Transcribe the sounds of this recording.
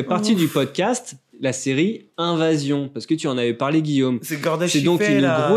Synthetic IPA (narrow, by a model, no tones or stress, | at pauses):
ɛpaʁt̪id̪ypɔd̪̚kʲast̪laseʁiɛ̃vazjɔ̃paʁsə̥kət̪yɑ̃navɛpaʁleɡʲijomsɛɡɔʁd̪sɛd̪ɔ̃kynɡʁo